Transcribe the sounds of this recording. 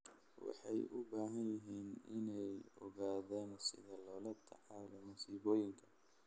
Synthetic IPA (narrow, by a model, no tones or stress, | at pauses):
wɑ̰ħɑjʔʊbaːɦɐnjɪɦiːnɪnɛjɔɣaːðaːnsɪðɐlɔːlɐt̪ʰɑ̰ʕɑːlɔmʊsiːβɔːjɪŋkʰɐ̥